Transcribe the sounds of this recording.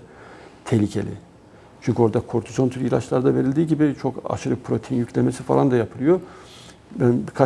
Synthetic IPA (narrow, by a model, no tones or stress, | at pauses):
t̪ʰelʲicʰe̞lʲɪ̰ | t͡ʃʰyɲʲcʰyo̞ɾd̪akʰoɾt̪ʰyzo̞nt̪ʰyɾilʲˠat͡ʃlˠaɾd̪ave̞ɾilʲd̪iːɟibit͡ʃʰo̞ka̰ʃɯɾɯpʰɾo̞t̪ʰejinjycʰʲlʲemesifa̰lˠand̪ajapʰɯlˠɯjo̞ | bænbikʰa